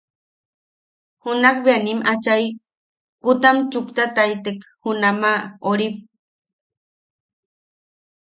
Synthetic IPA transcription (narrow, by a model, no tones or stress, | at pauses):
hunakbeanimʔat͡ʃaj | kut̪amt͡ʃukt̪at̪ajt̪ekhunamaoɾip̚